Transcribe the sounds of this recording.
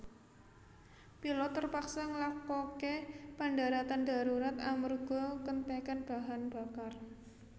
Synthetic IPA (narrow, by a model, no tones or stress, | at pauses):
pilɔt̪ːərpaksaŋəlakokepaɳdaɾat̪and̪a̤ɾuɾat̪amərɡ̥ɔkənt̪ekanb̥a̤ɦanb̥a̤kar